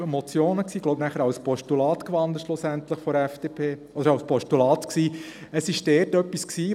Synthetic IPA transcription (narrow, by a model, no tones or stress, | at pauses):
ɛmɔt͡sjoːnəksiːɡloʊbnæχəɾɑʊspɔʃtulɑːt̪kʋɑnd̪əɾʃlʊsænt̪ləχfɔɾɛfd̥eːpʰeː | ɔd̥̪əɾɑʊspɔʃtulɑːt̪ksiː | əsɪʃd̥ɛːɾtœpːisksiː